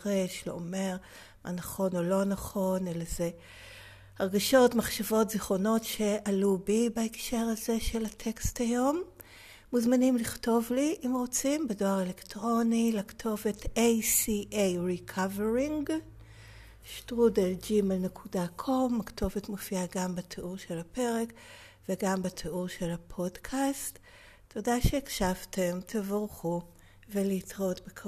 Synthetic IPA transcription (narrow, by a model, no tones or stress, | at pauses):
ʁeʃlḛʔome̞ʁ | mʔa̰naχo̞nolo̞naχo̞nelaze | aʁɡaʃo̞tmaχʃavo̞tziχo̞no̞tʃe̞ʔalubibaekʃe̞ʁaze̞ʃe̞latʰe̞ksthajo̞mː | uzmanimliχto̞vliʔimʁo̞t͡simbedo̞aʁelektʁo̞nilaktʰo̞vetʰejsiʔejʁikʰaveʁiŋɡ | ʃtʁudeld͡ʒimelnekʰudakʰo̞maktʰo̞vetmofiaɡambatʰeʔuʁʃelhape̞ʁe̞k | veɡambatʰeuʁʃelhapʰo̞dkʰast | tːo̞daʃeːkʃavtʰe̞mtʰevʁχu | veliːtʁotbekʰ